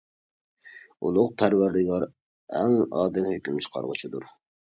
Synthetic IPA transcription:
ṵlˠʊqpʰæɾwæɾd̪ɪɡɑɾ | ɛŋɑ̰ːd̪ɪnhøkʲymt͡ʃʰə̥qʰɑ̰ɾʁət͡ʃʰid̪uɾ

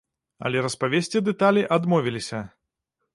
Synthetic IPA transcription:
ɐ̰lʲɛɾɐspavʲesʲt͡sʲid̪ɛt̪alʲiʔad̪mɔvʲilʲisʲɐ

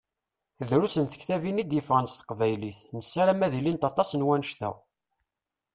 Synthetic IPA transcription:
ðɾusənθə̥çθævinid̪jəfʁənsθə̥qvæjliθnəsːæɾæmæðilint̪ɑt̪ˤːɑsənwænəʃθæ̰

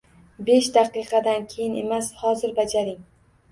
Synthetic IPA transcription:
be̞ʃd̪aqɨqɑd̪ankʲʰejɪne̞mashɒzɪɾbad͡ʒaɾɪŋ

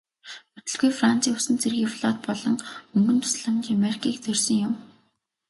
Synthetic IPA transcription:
ɵt̪ɵ̆ɮɡujfran̥t͡siːʊsɘ̆nt͡sʰerɣiːwɮɔːt̪̚pɔɮɞ̆ŋɵŋɡɵ̆nt̪ʰʊ̥sɮə̆mt͡ɕameɾikʰiːk̚t͡sɵrsɵ̆ŋjʊm

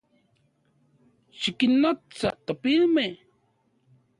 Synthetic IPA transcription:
ʃikinːot͡sa̰ʔt̪apilme

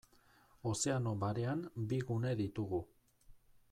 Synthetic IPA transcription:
o̞se̞ano̞βaɾe̞ambiɣune̞ðit̪uɣu

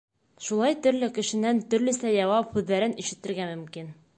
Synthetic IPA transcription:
ʃulˠɑjt̪ɵ̆ɾlɘkɘ̆ʃɘ̆nænt̪ɵ̆ɾlɘ̆sæjɑwɑphʉðːæɾɘniʃɘ̆t̪ɘ̆ɾɡæmɵ̆mkin

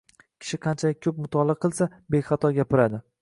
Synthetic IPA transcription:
kʲʰɪ̥ʃɪqʰɑnt͡ʃʰalɪkʲkʰːɵp̚mʊt̪ʰɒlˠɨqʰɨlˠsabeχɑt̪ʰɒɡʲapɪɾad̪ɪ

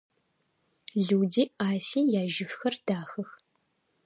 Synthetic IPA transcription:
ɮuwdiːaːsiːjaːʒɪfxɐrd̥aːxɐx

